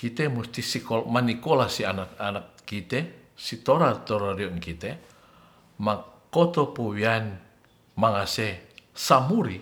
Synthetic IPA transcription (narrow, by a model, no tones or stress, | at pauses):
kit̪ɛmust̪isikomanikɔlasianakanak̚kit̪ɛsit̪ɔɾart̪ɔɾaɾiɔnkit̪ɛ | makɔt̪ɔpowian | maŋasɛsamuɾi